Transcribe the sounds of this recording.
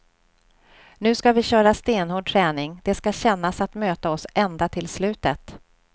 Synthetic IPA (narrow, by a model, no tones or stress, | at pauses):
nʉ̟ːskavɪɕœːɾast̪eːnhuːɖ̚ʈʰɾɛːnɪŋd̪ɛskaɕɛnːasat̪møːt̪aɔsʔɛnd̪at̪ʰɪlslʉ̟ːt̪ət̪